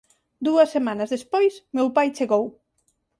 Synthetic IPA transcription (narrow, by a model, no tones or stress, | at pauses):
d̪uɐsːemãnɐzðespojsmewpajt͡ʃeɣow